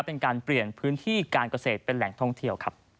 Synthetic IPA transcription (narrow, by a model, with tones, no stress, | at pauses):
pe˧nkaː˧npli˨˩ənpʰɯː˦˥nt̪ʰiː˥˩kaː˧nka˧seː˨˩t̪̚pe˧nlɛ˨˩˦ŋt̪ʰɔ˥˩ŋt̪ʰi˧əwkʰa˦˥p̚